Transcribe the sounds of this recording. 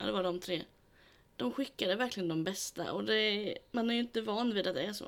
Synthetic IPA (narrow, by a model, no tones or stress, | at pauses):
d̪ɛvaɖɔmt̪ʰɾeː | d̪̥ɔmɧɪkːad̪əvæɾklɪɡənd̪ɔmbɛst̪a̰ʔɔd̪ɛmanhaɾjʏɪnt̪əvɑːnːviːd̪at̪̚d̪ɛæʂo̰ː